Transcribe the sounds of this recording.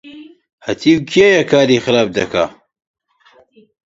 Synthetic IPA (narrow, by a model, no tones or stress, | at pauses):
hɐt̪ʰiːwkʰijajɐkʰaːɾiːxɨɾaːb̚d̪ɐkʰa̰